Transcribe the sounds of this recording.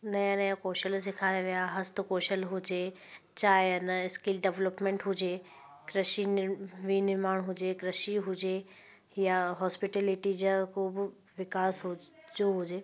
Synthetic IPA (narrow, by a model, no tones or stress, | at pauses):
nɐjãnẽkoːʃəls̬ɪkʰaːɽeʋijaɦɐst̪ʊkoːʃəlɦʊd͡ʑeː | t͡ɕaːɦeɐnəɪskɪlɖeʋləpmẽɳʈɦʊd͡ʑeː | kɾəʃinʋinɪɾmaːɽ̃ɦʊd͡ʑekɾɐʃiɦʊd͡ʑe | jaɦɔːspɪʈeːlɪʈid͡ʑakoːbɪ | ʋɪkaːsɦʊd͡ʑoɦʊd͡ʑeː